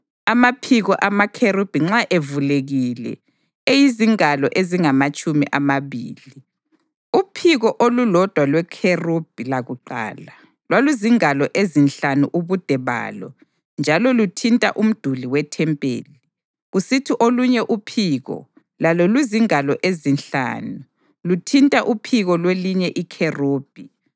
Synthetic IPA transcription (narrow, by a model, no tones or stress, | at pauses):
amapʰiɣɔʔamakʰerub̥ʱiŋ͡ǁaʔevuleɣilɛ̰ | ejiziŋalɔʔeziŋamat͡ʃʼumḭʔamaβḭːli | upʰiɣɔʔolulɔd̥ʱwalwɛkʰerub̥̚ʱilaɣuǃa̰ːla | lwaluziŋalɔʔezinɬanṵʔuβud̥ʱɛβa̰ːlɔ̰ | nd͡ʒʱalɔlutʰintʼaʔum̩d̥ʱuliwɛtʰɛmpʼḛːli | ɣusitʰiʔoluɲɛʔupʰiɣɔ̰ | lalɔluziŋalɔʔezinɬa̰ːnu | lutʰintʼaʔupʰiɣɔlweliɲɛʔikʰeroːb̥ʱi